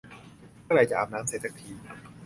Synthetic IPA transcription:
ɾa˧˩jt͡ɕa˨ʔaː˨˩m̚naː˦˥mseː˨˩t̪sʰa˦˥k̚t̪ʰiː˧

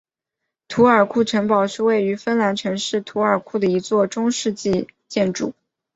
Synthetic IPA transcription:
t̪ʰu˧˥ə˞˨˩kʰu˥˩ʈ͡ʂʰɤ˧˥ŋpɑ˨˩ʊʂɻ̩˥˧we˥˩ɪy˧˥fə˥nla˧˥nʈ͡ʂʰɤ˧˥ŋʂɻ̩˥˩t̪ʰu˧˥ə˞˨˩kʰu˥˩d̪ə˩i˧˥t͡swɔ˥˩ʈ͡ʂʊ˥ŋʂɻ̩˥˧t͡ɕi˥˧t͡ɕjɛ˥˧nʈ͡ʂu˨˩˦

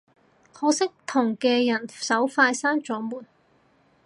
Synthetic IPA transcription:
kʰɔː˨˥sɪ˥k̚t̪ʰʊ˨˩ŋkɛː˧jɐ˨˩nsɐ˨˥wfaː˧jsaː˥nt͡ʃɔː˨˥muː˨˩n

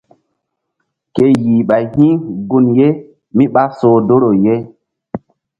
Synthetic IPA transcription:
ke˦jiː˨ɓa˨jhĩ˦ɡu˦nje˦ | mi˦ɓa˦soː˨do˦ɾo˨je˦

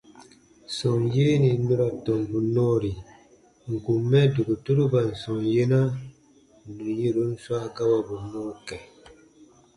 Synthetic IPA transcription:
sɔ˨ŋjeː˦ni˨nu˦ɾa˨tɔ˨mbu˨nɔː˦ɾi˨ | ŋ̩˨ku˨mːɛ˦du˨ɡu˨tu˦ɾu˦ba˨n̩˨sɔ̃˨ŋje˦na˦ | nu˨ji˦ɾu˨˦n̩˦swa˦˨ka˦ba˨bu˨nɔː˦kɛ˨

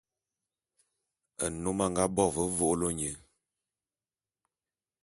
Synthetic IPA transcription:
ə̰˨no˦ma˦˨ŋ˦ɡa˦bɔ˦˨və˦vo˦ʔlo˦ɲə˨

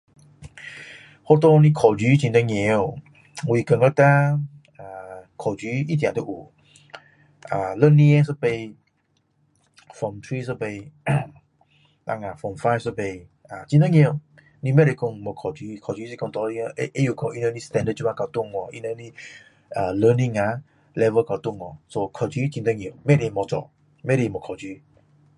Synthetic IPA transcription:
ho˦t̪̬o˧nĩ˧kʰɔ˨d͡ʒi˨˦t͡ɕĩ˧nt̪ə˧ŋẽ˧˦˧ | wi˧˨kə˨ŋɡə˦t̪a˦ | a˨kʰɔ˨˩d͡ʒy˨˦i˦t̪̬jã˨t̪ə˦ʔu˨ | a˨lə˦nĩ˧e˦sə˦pe˧ | fɔ˨mt̪ʰɹi˦sə˦be˧ | nã̰˧ŋa˨fɔ˨mfa˧˦jfsə˦be˧a˨t͡ʃĩ˧t̪ə˦ŋẽ˧˨ | nĩ˦mɛ˦˨ɾe˧kɔ̃˧˨ŋmə˨kʰɔ˨d͡ʒi˨˦kʰɔ˨d͡ʒi˦s̬i˦kɔ̃˧˨t̪ɔ˧i˦˧ʔe˦ju˨kʰɔ̃˧˨ʔi˦nə˧˦nĩ˦st̪ɛ̃˧ndə˧˨t͡ʃu˦mã˧ka˨˧t̪ũ˦˨ŋɔ˨ʔi˧nə˧ni˦ | ə˨lə˦nĩ˦ŋa˨˦ | lɛ˧və˦ka˨˧t̪ũ˦˨ŋɔ˨so˧kʰɔ˨d͡ʒi˦t͡ʃĩ˧nt̪ə˦ŋẽ˧˨mɛ˦˨ɾe˧˨mɔ˧˦t͡sɔ̰˨ | mɛ˦˨ɾe˧˨mɔ˨kʰɔ˨d͡ʒi˦

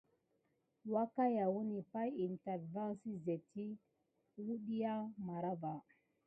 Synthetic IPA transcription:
wa˦ka˦ja˨wu˦ni˨pa˦ji˨ntɛ˨ɾva˦nsi˦ze˨ti˦ | wu˦ɗi˦ja˦ma˨ɾa˦va˨

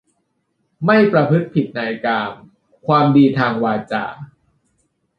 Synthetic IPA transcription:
ma˥˩jpɾa˧pʰɯ˦˥t̪̚pʰi˨˩t̪̚naː˧jkaː˧m | kʰwaː˧mdiː˧t̪ʰaː˧ŋwaː˧t͡ɕa̰ː˧˩

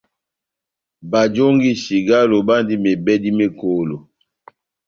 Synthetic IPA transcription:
ba˨d͡ʒo˦ŋɡi˦ʃi˨ɡa˦lo˨ba˦ndi˦me˨bɛ˦di˦me˦ko˨lo˨

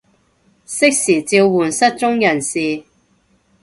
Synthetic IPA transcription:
sɪ˥k̚siː˨˩t͡siː˧wwuː˨˩nsɐ˥t̚t͡ʃʊ˥ŋjɐ˨˩nsiː˨

